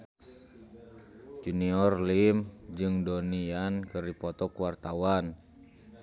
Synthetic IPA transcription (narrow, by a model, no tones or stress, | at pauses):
d͡ʒuniɔrlimd͡ʒɨŋdoniankɨripɔt̪ɔkuwart̪awan